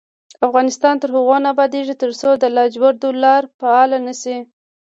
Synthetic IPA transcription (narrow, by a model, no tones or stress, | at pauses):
afɣɑnɪst̪ɑnt̪əɾhʊɣɑnabɑd̪eʒit̪əɾsod̪əlɑd͡ʒbaɾd̪olɑɾpaɑlanasi